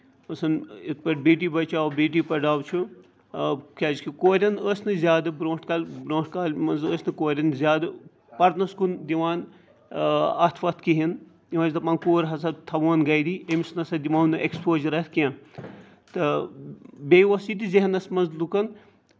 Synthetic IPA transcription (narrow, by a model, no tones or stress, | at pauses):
ɐsɐnit̪̚pɐʈbiːʈ̬ibɐt͡ʃaːwbiːʈiːpɐɖaːwt͡ʃʰu | kʲaːd͡ʒkʰikoːɾʲɐnəsʲnɨzʲjaːd̪ɨbɾõːʈkaːlbɾõːʈkaːlmɐnzəsʲnɨkoːɾʲɐnzʲjaːd̪ɨ | pɐɾnɐskund̪iʋaːn | ɐt̪ʰʋɐt̪kiɦin | iʋɐːd͡ʒʲt̪ɐpɐ̃ːnkoːɾɦɐsɐt̪ʰɐʋoːnɡɐjd̪iemisnɐsɐd̪imaːwnɨʔekspoːzɐɾɐt̪ʰkʲã | t̪ɨ | beːʋɐsit̪iziɦɐnɐsmɐnzlukɐn